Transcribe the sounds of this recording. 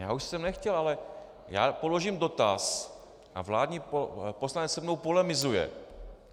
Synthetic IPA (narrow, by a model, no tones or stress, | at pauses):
jaːuʃsɛmnɛxcɛlʔalɛ | ja̰ːpolo̞ʒimdo̞t̪as | ʔavlaːdɲiːposlanɛt͡ssɛmnowpolɛmɪzujɛ̰